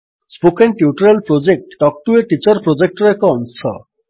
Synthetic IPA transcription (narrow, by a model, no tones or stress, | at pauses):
spokenʈiuʈuɾelpɾod͡ʑek̚ʈːɔk̚ʈueʈit͡ɕɔɾpɾod͡ʑek̚ʈɾoekɔɔnsɔ̰